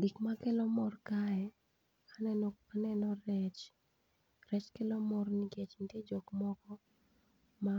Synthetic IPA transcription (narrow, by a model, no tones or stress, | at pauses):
ɡikmakɛlɔmɔrkaɛ | kʰanɛnanɛnɔrɛt͡ʃ | rɛt͡ʃkelɔmɔrniɡet͡ʃnitjed͡ʒokmɔkɔ | ma